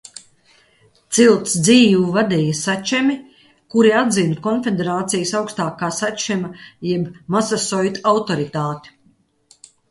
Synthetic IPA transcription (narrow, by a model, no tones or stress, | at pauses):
t̪silˠt̪sd̪ziːvuvad̪ɛjasat͡ʃɛmi | kuɾiad̪zinkɔnfʲed̪eɾaːt̪sijasawkst̪aːkaːsat͡ʃɛmajɛbmasasɔjt̪awt̪oɾit̪aːt̪i̥